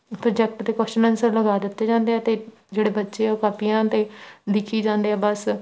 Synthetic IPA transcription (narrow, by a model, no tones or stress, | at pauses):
pɾoːd͡ʒɛk̚ʈt̪eːkəsʃnə̃nsəɾləɡaːd̪ɪt̪ːeːd͡ʒãːnd̪eːɛːt̪eː | d͡ʒeːɽeːbətːʃeːoːkaːpijãːt̪eːd̪ɪkʰiːd͡ʒãːnd̪eːɛːbəs